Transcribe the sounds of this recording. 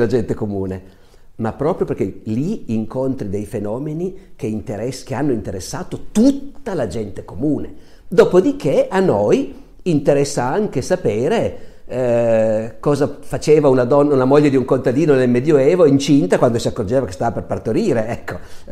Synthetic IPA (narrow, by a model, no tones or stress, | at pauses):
lad͡ʒɛnt̪ekomuːne | mapːɾɔːpɾjoperk̟eliːŋkont̪ɾid̪ejfenɔːmenikeint̪eɾɛskeanːoint̪eɾesːaːt̪ot̪ut̪ːalad͡ʒɛnt̪e̥komuːne | d̪ɔːpod̪ikʰeanːoj | int̪eɾɛsːaaŋk̟esapeːɾe | kɔːzafat͡ʃeːvaunad̪ɔnːaunamoʎːed̪iuŋkont̪ad̪iːnonelmɛd̪joeːvoint͡ʃint̪akwand̪osiakːord͡ʒeːvake̥st̪aːvaperpart̪oɾiːɾeɛkːo